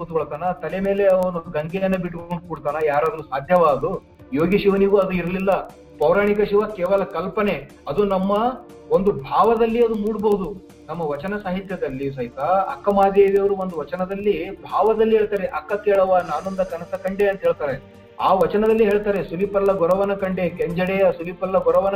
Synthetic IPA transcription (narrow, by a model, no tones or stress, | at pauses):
uːt̪uɡoɭt̪aːnɐt̪ɐleme̞ːle̞ɐʋɐnuuɡɐŋɡɛjɐnːɐbiʈkoɳɖukuːɽt̪aːnɐjaːɾaːd̪ɐnusaːd̪ʱjɐʋaːd̪u | jo̞ːɡiʃiʋɐniɡuɐd̪uiɾɐlilːɐ | pɐwɾaːɳikɐʃiʋakɛːʋɐlɐkɐlpɐne̞ | ɐd̪unɐmːɐ | o̞nd̪ubʱaːʋɐd̪ɐlːiɐd̪umuːɽbɐɦud̪u | nɐmːɐʋɐt͡ʃɐnɐsaːɦit̪jɐd̪ɐlːis̬ɐɦit̪aɐ̰kːɐmaːd̪eːʋijɐʋɐɾuo̞nd̪uʋɐt͡ʃɐnɐd̪ɐlːibʱaːʋɐd̪ɐlːiɦeːɭt̪aːɾeʔɐkːɐkeːɭɐʋanaːnond̪ɐkɐnɐsɐkɐɳɖeɐnt̪ɐɦeːɭt̪aːɾe | aːʋɐt͡ʃɐnɐd̪ɐlːiɦeːɭt̪aːɾesulipɐlːɐɡɔɾɐʋɐnɐkɐɳɖe̞keɲd͡ʒɐɽejɐsulipɐlːɐɡɔɾɐʋɐnɐ